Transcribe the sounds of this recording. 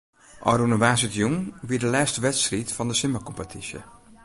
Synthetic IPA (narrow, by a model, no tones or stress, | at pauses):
ʔɔ̰ɾunəʋaːs̬ətjuŋʋidəlɛːstəʋɛtstritfɔndəsɪməkɔmpətʰisjə̰